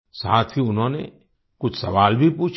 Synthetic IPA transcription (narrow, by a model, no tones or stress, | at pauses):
sa̰ːt̪ʰiʊnɦõːnḛ | kʊt͡ʃʰsɐ̰ʋaːlbʱipuːt͡ʃʰ